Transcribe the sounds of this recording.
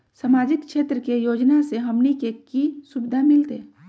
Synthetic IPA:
səmaːd͡ʒɪkʃeːt̪ɾəkejoːd͡ʒnaseɦɐmnikekisubɪd̪ʱamɪlt̪e

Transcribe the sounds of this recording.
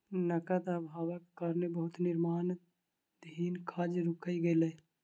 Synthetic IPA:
nəkət̪abʱaːwəkkaɾnebəɦʊt̪nɪɾmaːn | d̪ʱiːnkʰaːd͡ʒɾʊkʰəiɡele

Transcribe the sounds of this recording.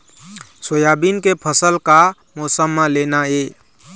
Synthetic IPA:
sojabinkepʰəsəlka | mɔsəmːãlenae

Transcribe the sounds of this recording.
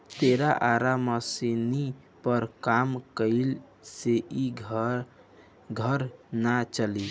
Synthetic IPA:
t̪eɾaʔaɾaməsini | pəɾkamkəɪl | seʔi | ɡʱəɾnat͡ʃəli

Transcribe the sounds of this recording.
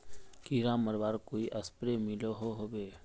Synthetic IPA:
kiɾãːməɾbaːɾkoːiʔɐspɾemɪloɦoɦobeː

